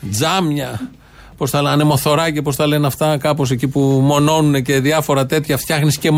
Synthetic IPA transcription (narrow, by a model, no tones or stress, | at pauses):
d͡zɐmɲɐ | po̞st̪ɐɐne̞mo̞θo̞ɾɐcepo̞st̪ɐle̞nɐft̪ɐkɐpo̞s̬e̞cipumo̞no̞nune̞ce̞ðiɐfo̞ɾɐt̪e̞t̪çɐft̪çɐxnisce̞m